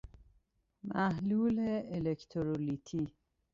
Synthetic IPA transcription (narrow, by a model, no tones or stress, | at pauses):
mæhluːleelekʰt̪ʰoɾolit̪ʰiː